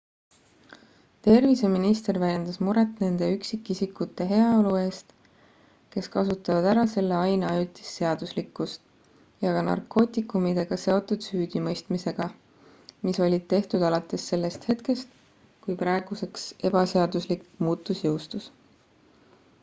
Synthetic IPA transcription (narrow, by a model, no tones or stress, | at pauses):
t̪e̞rvise̞minist̪e̞rvælʲjːe̞nd̪̥ɑsmuɾe̞t̪ˑne̞nd̪̥e̞yksikːˑisikːˑut̪ːˑe̞ɦe̞ɑo̞lue̞ːst̪ | ke̞skɑsut̪ːˑɑvɑd̪æɾɑse̞lːe̞ɑjneɑjut̪ːˑi̥sːe̞ɑd̪̥uslikːˑust̪ | jɑɡɑnɑ̰rko̞ːt̪ˑikːˑumid̪̥e̞ɡ̥ɑse̞o̞t̪ːˑud̪̥syːd̪̥imɤjst̪mise̞ɡ̥ɑ | miso̞lʲid̪̚t̪ːe̞ht̪ud̪̥ɑlɑt̪ːˑe̞sːe̞lːe̞st̪he̞t̪ke̞st̪ | kujprɑe̞ɡ̥use̞kse̞b̥ɑse̞ɑd̪uslikmuːt̪ːˑusjɤwst̪us